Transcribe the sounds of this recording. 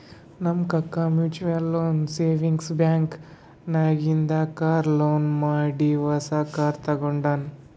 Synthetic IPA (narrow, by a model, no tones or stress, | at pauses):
nɐmkɐkːɐmjuːt͡ʃuʋɐlːoːnseːʋiŋɡsbjaːŋk | naːɡind̪ɐkaːɾloːnmaːɽiʋɐsɐkaːɾt̪ɐɡoɳɖaːn